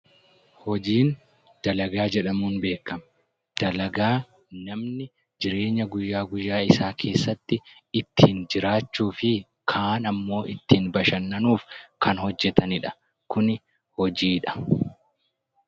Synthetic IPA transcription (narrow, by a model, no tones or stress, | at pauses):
hɔd͡ʒiːn | d̪̥ɐlɐɡaːd͡ʒɛᶑɐmuːnbe̞ːkːɐm | d̪̥ɐlɐɡaː | nɐmnɪ | d͡ʒɪɾe̞ːɲːɐɡʊjːaːɡʊjːaːɪsaːkʰe̞ːsːɐt̪ːɪt̪ːiːnd͡ʒɪɾaːt͡ʃːuːfɪ | kʰaːnɐmːo̞ːɪt̪ːiːnbɐʃɐnːɐnuːfkɐnhɔd͡ʒːɛt̪ɐnɪᶑɐ̥ | kʊnɪ | hɔd͡ʒiːᶑɐ̥